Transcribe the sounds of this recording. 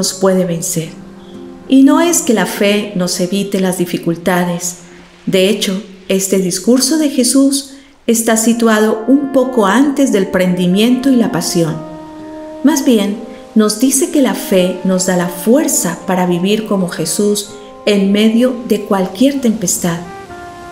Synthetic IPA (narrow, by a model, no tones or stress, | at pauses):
ospwe̞ðe̞βe̞nse̞ɾ | ino̞e̞ske̞lafe̞no̞se̞βit̪e̞lazðifikult̪aðe̞s | d̪e̞et͡ʃo̞ | e̞st̪e̞ðiskuɾso̞ðe̞xe̞sus | e̞st̪asit̪waðo̞umpo̞ko̞ant̪e̞zðe̞lpɾe̞nd̪imjẽ̞nt̪o̞ilapasjo̞n | mazbje̞nː | o̞zd̪ise̞ke̞lafe̞no̞zd̪alafwe̞ɾsapaɾaβiβiɾko̞mo̞xe̞sus | enme̞ðjo̞ðe̞kwalkje̞ɾt̪e̞mpest̪að